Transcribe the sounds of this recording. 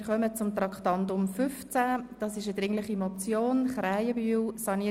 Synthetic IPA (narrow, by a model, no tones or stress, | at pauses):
χœmət͡sʊmt̪ɾɑkχtɑndʊmfʏft͡sæd̥ɑsɪʃəd̥̪ɾɪŋləχimɔt͡sjoːnχɾæjəbywsɑni